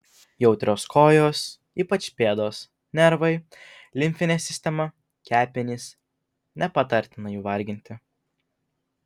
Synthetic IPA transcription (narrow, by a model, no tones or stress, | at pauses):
jɛʊt̪ʲɾʲoːskoːjoːs | iːpɐt͡ʃpʲeːd̪oːs | nʲɛɾʋɐɪ | lʲɪmʲfʲɪnʲeːsʲɪsʲt̪ʲɛmɐ | kʲæːpʲɪnʲiːs | nʲɛpɐt̪ɐɾʲt̪ʲɪnɐjuːʋɐɾʲɡʲɪnʲt̪ʲɪ